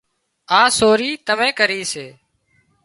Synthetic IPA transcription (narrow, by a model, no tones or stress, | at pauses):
aːsoːɾiːt̪əmẽːkəɾiːseː